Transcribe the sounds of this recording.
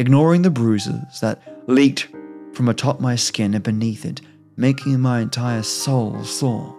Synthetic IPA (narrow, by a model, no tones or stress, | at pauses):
ɨɡ̚nɔɹɪ̃ŋðɨbɹʉzɪ̰z̥ðət̚lik̚tfɹʌ̃mətʰɑp̚maɪskɪ̃nɨ̃bɨniθɨ̰t̚ | meɪkʰɪ̃ŋmaɪɨ̃ntʰaɪə˞soʊlˠsɔ̰